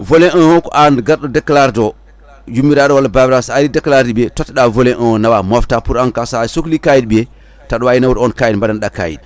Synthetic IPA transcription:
voleʔəokoʔandɡaɾdodeklaɾdo | jumiɾadowalababɾasalidekːlaɾdibetotɗavoleʔəonawamoftapuɾaŋkasasoklikajidbie | taɗwajinawuɾonkajdmbadanɗaka̰jḭd̚

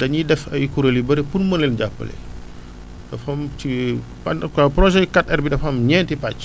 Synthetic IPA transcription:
dɐɲidɛfɐjkuɾɐlibɐɾepunmɐnlːɛlɟapːə̰lɛ̰ | dɐfɐmt͡ʃi | pkɐpɾɔʒɛkat̚ɛɾbidɐfɐmɲɛntipac

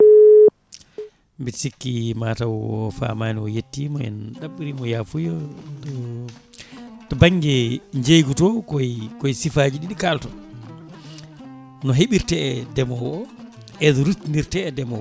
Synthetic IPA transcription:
mbisikːimaːtawɔ̰fa̰maːniɔjetːimɔɛ̰nɗaɓːiɾimɔjafujɔtɔ | tɔbaŋɡɛɲd͡ʒejɡutɔkɔjkɔjsifaːd͡ʒiɗiɗikaltɔ | nɔɦeɓiɾtɛɛdɛmɔwɔ | ɛdɔɾutːiniɾtɛːdɛmɔ̰w

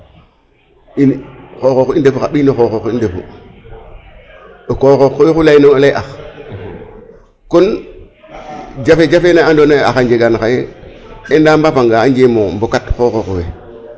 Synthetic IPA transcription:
inxoxokindefuxaɓinoxoxokindefṵ | okoxokːowexulainoŋolaʔax | kon | d͡ʒafed͡ʒafenaandonaa̰xaɲd͡ʒeɡanxajeendaːmbafaŋɡaaɲd͡ʒemombokatxoxokowe

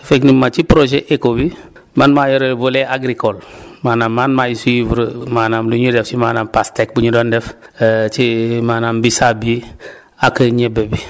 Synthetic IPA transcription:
feknimːat͡ʃipɾoʒeʔekobi | manmajoɾelvoleaɡɾikolmanamːanmajisuivuɾəmanamluɲudɛft͡ʃimanampastek̚buɲudondɛft͡ʃimanambisabi | akəɲebebi

